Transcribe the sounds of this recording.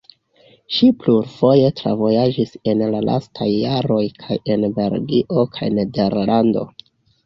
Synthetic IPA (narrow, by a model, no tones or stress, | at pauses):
ʃipluɾfo̞je̞tɾa̰vo̞jad͡ʒise̞nlalʔa̰stʰajːaɾo̞jkʰaje̞nbe̞ɾɡiʔo̞kʰa̰jne̞de̞ɾlando̞̰